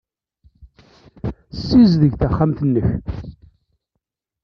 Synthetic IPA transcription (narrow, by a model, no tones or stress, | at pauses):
sːizðəʝθæχːamθənːəç